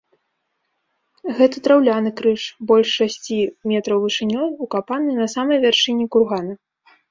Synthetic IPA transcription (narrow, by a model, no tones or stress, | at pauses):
ɣɛt̪ɐt̪ɾawlʲanɨkɾɨʂbɔlʲʂːasʲt͡sʲimʲɛt̪ɾɐwvɨʂɨnʲɔjukapanɨnɐsamɐjvʲarʂɨnʲɛkurɣanɐ